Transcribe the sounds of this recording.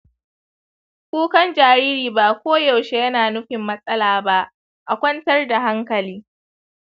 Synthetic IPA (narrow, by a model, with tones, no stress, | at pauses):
kʷuː˦kɐ˦nd͡ʒaː˨ɾiː˦ɾiː˨ba˦˨kʷoː˦jɐ˨wʃe˦jɐ˦naː˨nʊ˦ɸɪ˨mːɐ˦sʼɐ˦laː˨ba˦ʔ | ʔa˨kʷɐ˦ntɐ˦rda˨ɦa˦ŋkɐ˨liː˦